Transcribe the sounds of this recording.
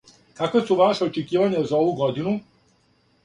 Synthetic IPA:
kakosuʋaʃeot͡ʃekiːʋaɲazao̞ʋuɡod̪inu

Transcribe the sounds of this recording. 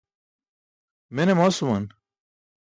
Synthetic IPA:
menemasuman

